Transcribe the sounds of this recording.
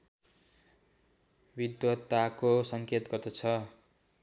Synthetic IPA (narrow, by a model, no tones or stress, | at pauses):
bid̪wʌt̪ːakosʌŋket̪ɡʌrt̪ʌt͡sʰʌ